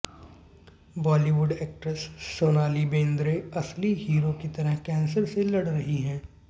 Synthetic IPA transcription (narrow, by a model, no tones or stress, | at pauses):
bɔːliʋʊɖeːk̚ʈɾəsːoːnaːlibẽːnd̪ɾeɐsliɦiːɾokit̪ɐɾəɦkɛ̃ːnsəɾselɐɽɾɐɦiɦɛ̃ː